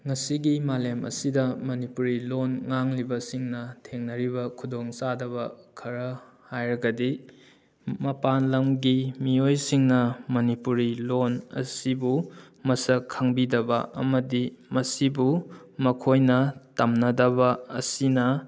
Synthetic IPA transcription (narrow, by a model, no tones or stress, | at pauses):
ŋɐsiɡimalemʔɐ̰sidɐmɐnipuɾilonŋaŋlibɐsiŋnɐtʰeŋnɐɾibɐkʰudoŋsadɐβɐkʰɐɾɐ | hajɾɐɡɐdi | mɐpanlɐmɡimiojsiŋnɐmɐnipuɾilonɐ̰sibu | mɐsɐkʰːaŋbidɐbɐ̰ɐ̰mɐdimɐsibumɐkʰojnɐtɐmnɐdɐbɐːsinɐ